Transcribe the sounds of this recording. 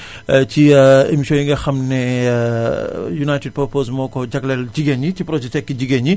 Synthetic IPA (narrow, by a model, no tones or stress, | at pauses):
t͡ʃiḛmiʃojiŋɡɐxɐmnɛ | junajted̚pɐɾposmɔːkɔd͡ʒɐklɛld͡ʒiɡeɲitipɾod͡ʒɛt͡ʃɛkːid͡ʒiɡeɲi